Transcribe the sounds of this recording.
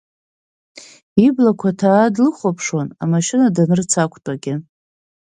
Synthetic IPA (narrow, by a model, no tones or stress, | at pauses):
iblakʷʰatʰaːdlɨχʷapʰʂwona̰maʃɪnadanɨrt͡sʰakʷʰʼtʼaɡʲɪ